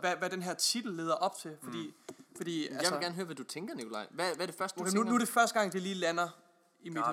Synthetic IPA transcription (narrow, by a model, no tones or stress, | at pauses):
ʋæʋæd̥enɦɛɐ̰t͡sʰid̥l̩ːe̝ːðˠɐʔɒ̽b̥̚t͡sʰe̝lfɒ̽d̥ḭːfɒ̽d̥ḭːæljaseeɡæɐnəɦøːɐʋæd̥ut͡sʰeŋɡ̥ɐnikʰo̝lɑ̈ɪʋæʋæɐɾ̥e̝fɶɐsd̥nunude̝fɶɐsd̥əɡ̥ɑ̈ŋ̰d̥eliːlænɐ | immid̥